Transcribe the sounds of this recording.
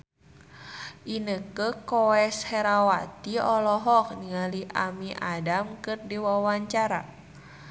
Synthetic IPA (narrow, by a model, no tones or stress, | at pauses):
ʔinəkəkɔɛshɛɾawat̪iɔlɔɦɔk̚niŋaliʔamiʔadamkɨrdiwawaɲt͡ʃaɾa̰